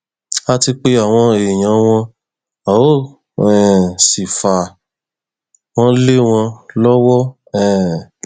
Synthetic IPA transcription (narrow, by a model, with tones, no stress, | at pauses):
a˦ti˧k͡pe˦a˦˨w̃ɔ̃˧e˨j̃ã˨˦w̃ɔ̃˧ | a˨o˦ | ɛ˨si˨fa˨ | w̃ɔ̃˦le˦w̃ɔ̃˧lɔ˦wɔ˦ | ɛ̃˨